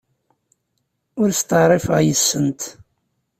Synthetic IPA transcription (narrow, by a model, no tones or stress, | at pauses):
ʊɾst̪əʁɾˤɪfəʁjəsːənt̪